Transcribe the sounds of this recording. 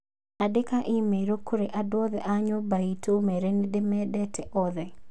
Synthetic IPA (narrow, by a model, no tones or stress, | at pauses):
adekaʔɪmeɾokʰoɾeʔadwɔðɛʔaɲɔbaitʰomɛɾenidemɛdɛtɛʔɔðɛ